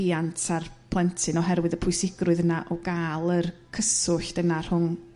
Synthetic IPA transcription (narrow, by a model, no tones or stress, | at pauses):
iantʰarpʰlˠɛntʰɨnɔɦɛɾwɨðəpʰʊɨsɪɡrʊɨðənaʔɔɡaːlˠərkʰəsʊɬd̥ənar̥hʊn